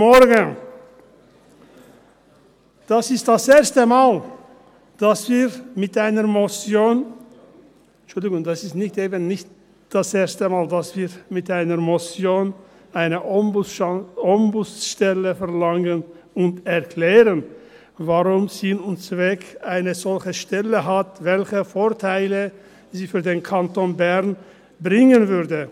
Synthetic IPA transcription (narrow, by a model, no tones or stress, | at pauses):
mɔʁɡən | d̥asɪst̚d̥asʔeːɐstəmaːl | d̥asv̥iːʁmɪtʔaɪnəmɔt͡sjoːn | t͡ʃʊldɪɡʊŋdasɪstnɪçteːbənnɪçt | d̥aseːɐstəmaːldasv̥iːɐmɪtʔaɪnəmɔt͡sjoːn | ʔaɪnəʔɔ | ɔmbʊsʃtɛləfɛɐlaŋən | ʊntɛʁkl̥ɛːʁən | vaʁʊmzinʊnt͡svɛkʔaɪnəzɔlçəʃtɛləɦatvɛlçəfoːɐtʰaɪlə | ziːfyːɐdeːnkʰantonbɛʁn | bʁɪŋənvʏʁdə